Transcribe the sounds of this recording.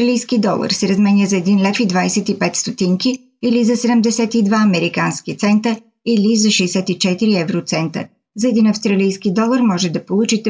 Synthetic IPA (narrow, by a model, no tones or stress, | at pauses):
ɾɐlijskid̪ɔlˠə̰ɾsɛɾɐzmɛniəzɐɛd̪inlɛfid̪vajsɛt̪ipɛt̪st̪ot̪iŋki | ilizɐsɛd̪əmd̪ɛsɛt̪id̪vaɐmɛɾikanskit̪sɛnt̪ə | ilizɐʃɛsɛt̪it͡ʃɛt̪iɾiɛvɾot̪sɛnt̪ə̰ | zɐɛd̪inɐfst̪ɾɐlijskid̪ɔlˠəɾmɔʒɛd̪ɐpolˠut͡ʃit̪ɛ